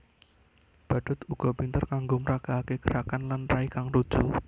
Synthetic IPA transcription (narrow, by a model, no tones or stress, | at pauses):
b̥ä̤ɖ̥ʊ̤t̪uɡ̥ɔ̤pint̪ərkaŋɡoməɾaɡ̥aakekəɾakanlanraikaŋrud̥ʒ̥u